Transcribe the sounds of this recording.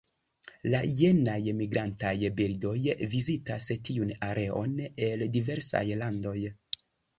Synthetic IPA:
laje̞najmiɡɾantajbildo̞jvizitastiunaɾʔe̞o̞̰ne̞ldive̞ɾsa̰jlando̞j

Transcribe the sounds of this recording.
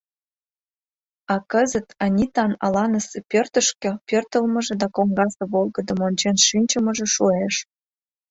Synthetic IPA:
ɑkəzət̪ɑnʲit̪ɑnɑ̰lɑnəsĕpʲørt̪ə̆ʃkĕpørt̪əlmə̆ʒĕd̪ɑkoŋɡɑsĕβolˠɡə̆d̪ə̆monʲt͡ɕenʃynʲt͡ɕəmə̆ʒĕʃueʃ

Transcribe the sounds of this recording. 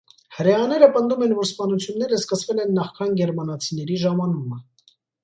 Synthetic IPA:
həɾɛɑnɛɾəpənd̪umɛnvɔɾspɑnut͡sʰjunːɛɾəskəsvɛlɛnːɑχkʰɑnɡɛɾmɑnɑt͡sʰin̪ɛɾiʒɑmɑnumə

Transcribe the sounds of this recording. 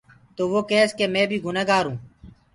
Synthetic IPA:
t̪oːʋoːkeːskeːmẽːbʱiːɡʊneːɡaːɾũː

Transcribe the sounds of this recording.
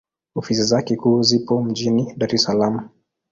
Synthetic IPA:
ɔfisizakɛkuːzipɔm̩ʄiniɗaɾɛsalamu

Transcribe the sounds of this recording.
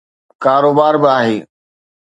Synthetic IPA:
kaːɾoːbaːɾbɪaːɦeː

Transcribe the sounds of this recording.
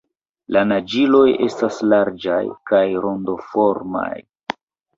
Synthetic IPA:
lanad͡ʒilo̞je̞staslaɾd͡ʒajkajɾo̞ndo̞fo̞ɾma̰j

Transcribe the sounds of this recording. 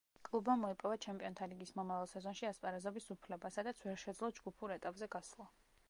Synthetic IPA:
kʼlˠubamɔipʼɔvat͡ʃʰɛmpʼiɔnt̪ʰaliɡismɔmavalˠsɛzɔnʃiaspʼaɾazɔbisupʰlɛbasad̪at̪sʰvɛɾʃɛd̪zlˠɔd͡ʒɡupʰuɾɛt̪ʼapʼzɛɡaslˠɔ

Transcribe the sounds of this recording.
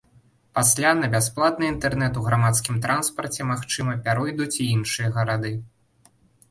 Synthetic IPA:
pasʲlʲanɐbʲasplˠat̪nɨint̪ɛrnɛt̪uɣɾamat̪skʲimt̪ɾʔanspɐrt͡sʲɛmaxt͡ʂɨmɐpʲaɾɔjd̪ut͡sʲiinʂɨjɐɣɐɾad̪ɨ

